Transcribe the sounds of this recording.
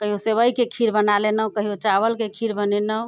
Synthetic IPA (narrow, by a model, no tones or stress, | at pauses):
kəɦijoseβəjkekʰiɾbənalenəwkəɦijot͡ʃaβəlkekʰiɾbənɛnə